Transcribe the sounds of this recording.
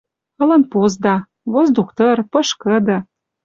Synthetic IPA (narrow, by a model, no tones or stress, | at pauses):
ɤ̆lɤ̆npozd̪ɑ | βozd̪ukt̪ɤ̆rpɤ̆ʃkɤ̆d̪ɤ̆